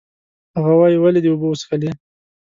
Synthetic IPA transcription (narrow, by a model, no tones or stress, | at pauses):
haɣawɑjiwaled̪əubosxali